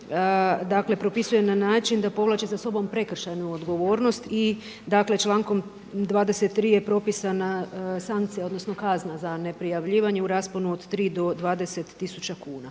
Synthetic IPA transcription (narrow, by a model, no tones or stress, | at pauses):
d̪akle̞pɾo̞pisuje̞nanaːt͡ʃind̪apo̞ʋlˠaːt͡ʃesaso̞bo̞mpɾe̞kr̩ʃajnuod̪ɡo̞ʋo̞ːɾno̞st̪i | d̪akle̞t͡ʃlˠaːŋko̞m | d̪ʋaːd̪e̞se̞t̪ːɾiːje̞pɾo̞pisanasaŋkt̪sijao̞d̪no̞sno̞kaznazane̞pɾijaʋʎiːʋaɲe̞uɾaːsponuod̪t̪ɾiːd̪o̞d̪ʋaːd̪e̞se̞t̪ːisut͡ʃakuːna